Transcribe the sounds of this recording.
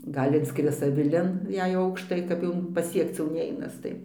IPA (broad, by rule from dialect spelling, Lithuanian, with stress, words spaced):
ˈɡɐlʲ ɪnˈskrʲɪs ɐʋʲɪˈlʲɪn jɛɪ ˈɐʊkʃtɐɪ kɐp ˈjɛʊ pɐˈsʲiɛkt͡s jɛʊ ˈnʲɛɪnɐs ˈtɐɪ